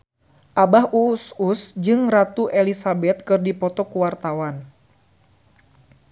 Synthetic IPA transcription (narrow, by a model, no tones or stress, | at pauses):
ʔabaɦuːsusd͡ʒɨŋrat̪uʔɛlisabɛt̪̚kɨrdipɔt̪ɔkuwart̪awan